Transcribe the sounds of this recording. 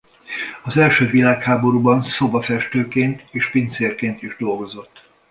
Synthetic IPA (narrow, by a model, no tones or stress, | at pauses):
ɒzɛlʃøːvilaːkhaːbo̞ɾuːbɒnso̞bɒfɛʃt̪øːkeːnt̪eːʃpint̪seːrkeːnt̪iʒd̪o̞lɡo̞zo̞t̪ː